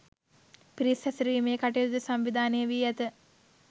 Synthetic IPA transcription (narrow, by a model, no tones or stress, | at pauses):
piɾisɛsɾiːmeːkaʈeud̪isamʋid̪ʱaːnejəʋiːæt̪ə